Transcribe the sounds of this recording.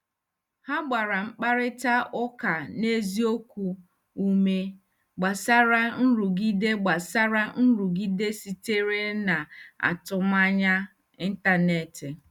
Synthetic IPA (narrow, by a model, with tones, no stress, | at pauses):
ha˦ɡ͡ba˨ɾa˨ŋ͡m̩˦k͡pa˦ɾɪ˦ta˦ʊ˦ka˨ne˦zi˦o˦kʷu˨ | u˦me˦ | ɡ͡ba˨sa˦ɾa˦n̩˦ɾu˨ɡi˦de˦ɡ͡ba˨sa˦ɾa˦n̩˦ɾu˨ɡi˦de˦si˨te˦ɾe˦na˨a̰˨tʊ˦m˦a˦ɲa˦ | i˦n̩˦ta˨ne˨tɪ˨